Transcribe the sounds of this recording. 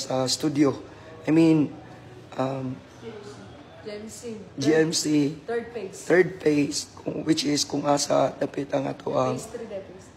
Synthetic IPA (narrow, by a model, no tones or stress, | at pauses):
sɐst̪ud̪jo | ʔajmĩn | ʔam | d͡ʒiɛmsi | t̪ɛɹd̪̚fejskʊ̰wɪt͡ʃɪskʊŋʔaːsɐd̪apɪt̪ɐŋʔɐ̰t̪oʔɐŋ